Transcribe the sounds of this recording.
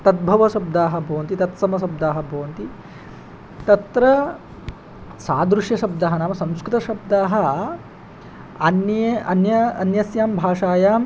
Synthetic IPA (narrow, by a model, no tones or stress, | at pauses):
t̪ɐt̪̚bʱɐʋɐsɐb̚d̪aːɦɐbʱɐʋɐnt̪it̪ɐt̪sɐmɐs̬ɐb̚d̪aːɦɐbʱɐʋɐnt̪i | t̪ɐt̪ɾɐ | saːd̪ɾuʂjɐʃɐb̚d̪aːɦɐnaːmɐsɐ̃wskɾɨt̪ɐʃɐb̚d̪aːɦɐ̆ | ɐnɐɐnjɐɐnjɐsjaːmbʱaːʂaːjaːm